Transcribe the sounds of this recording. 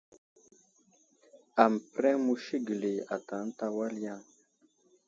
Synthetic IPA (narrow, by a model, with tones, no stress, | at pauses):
a˨m˨pɾɛ˦mu˦ʃi˦ɡi˨le˨a˨ta˨˦n˦ta˦wa˦lja˦˨